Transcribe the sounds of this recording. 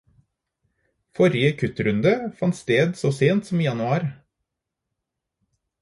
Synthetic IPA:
fɔɾɪəkʰʉt̪ɾʉnd̪əfɑnt̪st̪eːd̪soːseːnt̪sɔm̩iːjɑnʉɑːɾ

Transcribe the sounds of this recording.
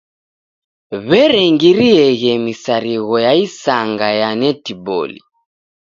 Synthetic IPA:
βɛɾɛŋɡiɾiɛɣɛmisaɾiɣɔjaisaŋɡajanɛtibɔ̰lḭ

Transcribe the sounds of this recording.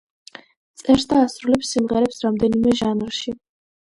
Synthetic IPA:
t̪sʼɛɾsd̪aːsɾulɛpsimʁɛɾɛpsɾamd̪ɛnimɛʒanlˠʃi

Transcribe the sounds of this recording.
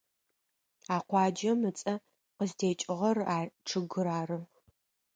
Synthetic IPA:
aːqʷɑːd͡ʒɐmɨt͡sʼɐ | qəzdʰeːt͡ʃʼɪʁɐraːʈ͡ʂʰɨɡɨɾaːrɨ

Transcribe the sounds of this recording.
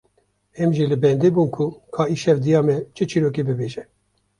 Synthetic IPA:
ɛmʒilɨbɛnd̪eːbuːnkʰukʰɑːiʃɛvd̪ijɑːmɛt͡ʃʰɨt͡ʃʰiɾoːkebɨbeːʒɛ

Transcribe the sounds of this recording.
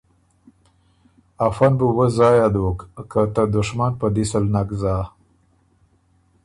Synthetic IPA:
afanbuwəzɑjad̪okkat̪əd̪ʊʂmanpəd̪isəlnaɡzɑ

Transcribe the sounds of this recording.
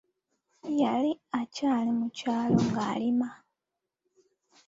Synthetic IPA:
jaliacaːlimucaːlo̞ŋɡaːlima

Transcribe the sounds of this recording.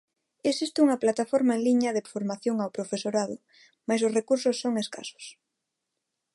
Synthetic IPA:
esist̪uŋɐplat̪afoɾmaeŋliɲɐðefoɾmaθjoŋawpɾofesoɾaðʊ | majs̬oʊsrekuɾsʊsːoŋeska̰sʊ̥s

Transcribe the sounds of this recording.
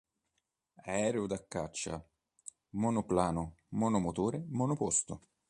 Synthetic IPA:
ɛɛːɾeʊd̪akːat͡ʃːa̰ | monʊplaːnʊmonʊmʊt̪uːɾemonʊpost̪ʊ

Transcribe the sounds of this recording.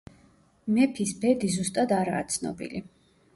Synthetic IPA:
mɛpʰisbɛd̪izust̪ʼad̪aɾa̰ːt̪sʰnɔ̰bḭli

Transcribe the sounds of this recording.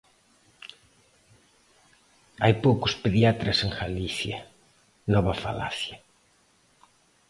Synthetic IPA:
ajpowkʊspeðjat̪ɾaseŋxaliθja | nɔβɐfa̰la̰θja

